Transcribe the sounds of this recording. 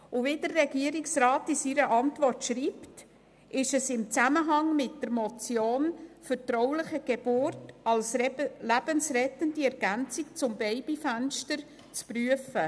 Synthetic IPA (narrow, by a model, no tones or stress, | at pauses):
ʊʋidərːɛɡiəɾɪksrɑːtisiɾəʔɑntʋɔrtʃriːpt | ʔɪʃəsɪmt͡sæməɦɑŋmɪt̚d̥əɾmɔt͡sjoːnfəɾtrɔʊlɪχəɡ̥ebʊrtɑlslæb̥ənsrɛtəndiɛɾɡ̥ænt͡sɪk̚t͡sʊmbɛɪbifænʃtəɾ | t͡spryəfə